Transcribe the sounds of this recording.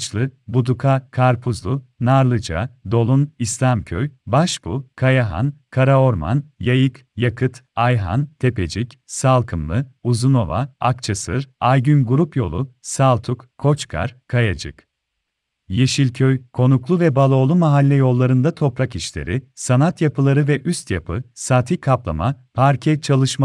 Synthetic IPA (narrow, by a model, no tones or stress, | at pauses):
t͡ʃlˠɯbud̪ukʰakʰaɾpʰuzlˠunaɾlˠɯd͡ʒa̰d̪o̞lˠunislʲamcʰø̰jbaʃbukʰajaɦa̰nkʰaɾao̞ɾma̰njajɯk | jakʰɯt̪ | ajɦa̰nt̪ʰe̞pe̞̰d͡ʒicsalˠkʰɯmlˠɯuzuno̞va̰akt͡ʃʰasɯɾajɟynɡuɾupjo̞̰lˠusalˠt̪ʰukkʰːo̞t͡ʃkʰa̰ɾ̥kʰajad͡ʒɯ̰k | jeʃilʲcʰøjkʰo̞nuklˠuvɛbalˠo̞lˠumaɦalʲːɛjo̞lˠːaɾɯnd̪at̪ʰo̞pɾakiʃlʲḛɾɪsanat̪japɯlˠaɾɯvɛʔyst̪ja̰pʰɯsaːt̪ʰikʰaplˠa̰ma̰pʰaɾcʰɛt͡ʃʰalˠɯʃma